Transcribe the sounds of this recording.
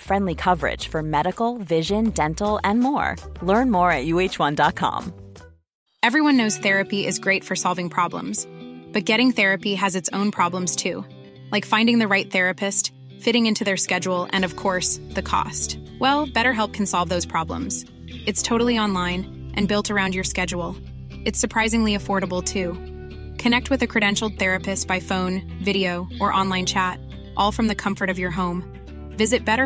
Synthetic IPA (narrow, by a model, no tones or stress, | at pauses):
fɹɛ̃ndˡlikʰʌvə˞ɪ̰d̥ʒ̥fə˞mɛɾɨkl̩ˠvɪʒɨ̃ndɛ̃ntl̩ˠɨ̃nmɔ̰ɹlɜ̃˞nmɔɹɨt̚jʉeɪt͡ʃwʌ̃ndɑt̚kʰɑ̰̃m | ɛvɹiwʌ̃nːoʊz̥θɛɹɨpiʔɪzɡɹeɪtfə˞sɑlˠvɪ̃ŋpʰɹ̥ɑblə̰̃mz̥b̥ʌt̚ɡ̥ɛɾɪ̃ŋθɛɹɨpiɨzɨtsõʊ̃npʰɹ̥ɑblə̃mz̥tʰʉ | laɪkfãɪ̃ndɪ̃ŋðɨɹaɪt̪̚θɛɹɨpɨst | fɪɾɪ̃ŋɪ̃ntʰʉðə˞skɛd͡ʒl̩ˠɨ̰̃nʌv̥kʰɔɹsðɨkʰɔ̰stwɛlˠb̥ɛɾə˞ɦɛlˠp̚kʰn̩sɑlˠvðoʊz̥pʰɹ̥ɑblə̰̃mz̥ | ɨtstʰoʊɾl̩ˠiɑ̃nlãɪ̃n | ʔɨ̃nbɪlˠtə˞ãʊ̃nd͡ʒjə˞skɛd͡ʒul̩ˠ | ɨtsə˞pʰɹ̥aɪzɪ̃ŋliɨfɔɹɾəbl̩ˠtʰʉ | kʰɨnɛk̚t̚wɨðɨkʰɹ̥ɨɾɛ̃nʃl̩ˠd̪̚θɛɹɨpɨstb̥aɪfõʊ̃n | vɪɾioʊʔə˞ʔɑ̃nlãɪ̃nt͡ʃʰæt | ʔɔlˠfɹʌ̃mðɨkʰʌ̃ɱfə˞ɾʌvjə˞ɦõʊ̃m | vɪzɨt̚b̥ɛɾə˞